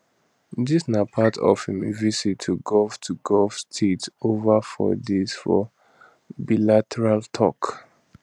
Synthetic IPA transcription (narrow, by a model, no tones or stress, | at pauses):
disnapʰatʰɔ̰fhĩmvisitʰːuɡɔftʰuɡɔlfstʰetovafɔ̰dezfɔ̰ | bilatʰɛɹaltʰɔ̰k